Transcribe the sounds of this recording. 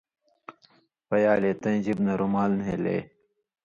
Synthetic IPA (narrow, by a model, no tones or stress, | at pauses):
fɐjaːleːt̪ɐ̃ʑibnɐɾumaːlnɦeːlḛː